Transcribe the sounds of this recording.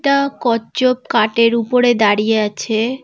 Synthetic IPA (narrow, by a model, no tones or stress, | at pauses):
ʈakɔd͡ʑob̚kaʈeɾupoɾed̪aɾijeat͡ɕʰe